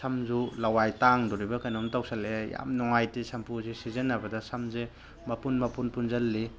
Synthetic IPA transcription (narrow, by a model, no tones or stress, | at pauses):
sɐmzulawajtaŋdɔɾibɐkajnɔmtawsɐleja̰mnɔŋajtisɐmpuzisizenɐbɐdɐsɐmze | mɐpunmɐpunpunzɐlːi